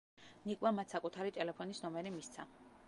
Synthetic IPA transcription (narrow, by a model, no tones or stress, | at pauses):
nikʼwamat̪sakʼut̪ʰaɾit̪ʼɛlɛpʰɔnisnɔmɛɾimist̪sʰa